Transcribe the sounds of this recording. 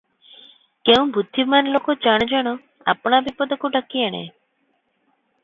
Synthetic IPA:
keũbʱud̪ʱːimanlokɔt͡ʃaɽ̃d͡ʒaɽ̃ɔ | a̰pɽ̃abipɔd̪ɔkuɖakiaɽ̃ḛ

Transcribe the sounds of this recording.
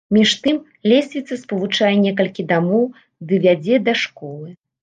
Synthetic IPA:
mʲiʂt̪ɨm | lʲesʲvʲit̪sːɐspɐvut͡ʂajɛnʲɛk̬ɐlʲkʲid̪amɔw | d̪ɨvʲad͡zʲɛd̪ɐʂkɔlˠɨ

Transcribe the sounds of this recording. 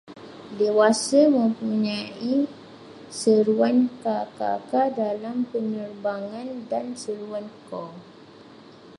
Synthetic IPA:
dewasamə̃mpuɲai | səɾuankaka̰kadalampənərbaŋãndansəɾuankɔ

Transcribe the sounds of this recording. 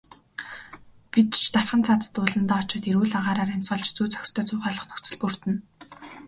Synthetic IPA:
pit̪t͡ɕʰt̪arʲχə̆nt͡sʰat͡s̪ə̥̆t̪ʊːɮə̆nt̪aːʊt͡ɕɔ̆ːt̪iɾwuːɮaɴɢaːɾaːɾæmʲsɢə̆ɮt͡ɕt͡suːt͡sʰḁkʲst̪ʰœːt͡sʊːʁaːɮə̆χnɵxt͡sɘ̆ɮpur̥t̪ɘ̆n

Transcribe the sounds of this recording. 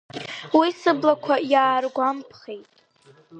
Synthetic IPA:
wisɨblakʷʰajaːrɡʷampʰχejtʼ

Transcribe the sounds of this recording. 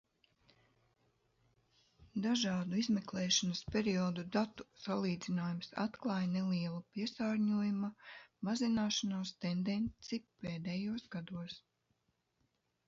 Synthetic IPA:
d̪aʒɑːd̪uizmeklɛːʃanɐspʲeɾiɔːd̪ud̪at̪u̥salˠiːd̪zinaːjumsa̰t̪klˠɑːjnɛliɛlˠupiɛsaːɾɲuɔjumumazinaːʃanaːst̪end̪ɛnt̪sipeːd̪ɛjuɔsɡad̪uɔs

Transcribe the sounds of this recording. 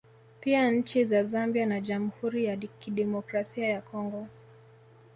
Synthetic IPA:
piaɲ̩t͡ʃizazambianaʄamuhuɾijakiɗɛmɔkɾasiajakɔŋɡɔ

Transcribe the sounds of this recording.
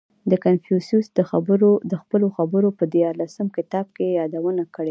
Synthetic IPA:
d̪əkanfjususd̪əxabəɾod̪əxpəloxabəɾopəd̪jɑɾlasəmkɪt̪ɑb̚kejɑd̪awənakəɽe

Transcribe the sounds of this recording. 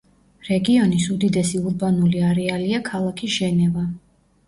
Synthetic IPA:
ɾɛɡiɔnisud̪id̪ɛsiuɾbanuliaɾɛaliakʰalˠakʰiʒ̥ɛnɛva

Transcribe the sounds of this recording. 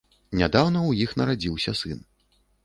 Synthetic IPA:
nʲad̪awnɐwjixnɐɾad͡zʲiwsʲɐsɨn

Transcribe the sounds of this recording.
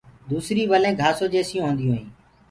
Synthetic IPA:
d̪uːsɾiːʋəlẽːɡʱaːsoːd͡ʒeːsɪjũːɦõːnd̪ijũːɦĩː

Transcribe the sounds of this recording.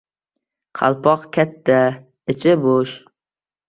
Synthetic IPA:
qʰɑ̰lˠpʰɒqkʲʰat̪ʰːa | ɪt͡ʃʰɪboʃ

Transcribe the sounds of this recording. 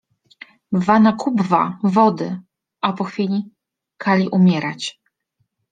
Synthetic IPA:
vanakubva̰vɔd̪ɘ | ʔapɔxfʲilʲi | kʰalʲiʔumʲjɛɾat͡ɕ

